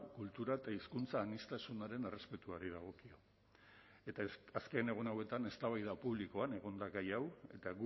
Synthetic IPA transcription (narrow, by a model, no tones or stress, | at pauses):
kult̪uɾaet̪aiskunt͡saːnist̪asunaɾe̞ne̞re̞spe̞t̪uaɾiðaɣ̞o̞kio̞ | et̪askene̞ɣ̞unawe̞t̪ane̞st̪aβajðapuβlikoane̞ɣ̞o̞nd̪aɣajawe̞̰t̪aɣu